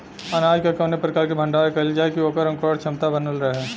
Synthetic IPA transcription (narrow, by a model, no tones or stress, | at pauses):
ɐnaːd͡ʒkekɐːnepɾɪkaːɾkibʱɐ̃ɳɖaːɾekɐld͡ʒaːekioːkəɾɐ̃ŋkoɾəɽt͡ʃʰɐmt̪abɐnəlɾɐɦeɦɛː